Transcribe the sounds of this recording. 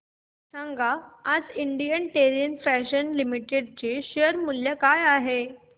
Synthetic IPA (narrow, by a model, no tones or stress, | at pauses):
sãŋɡʱaad͡ziɳɖijənʈeɾinfæɕənlimiʈeɖ̚t͡ɕeɕejəɾmuljəkajaɦe